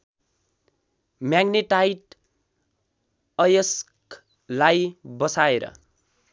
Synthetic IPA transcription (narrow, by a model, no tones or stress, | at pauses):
mjaɡneʈajʈ | ʌjʌsk | lajbʌsaeɾʌ̰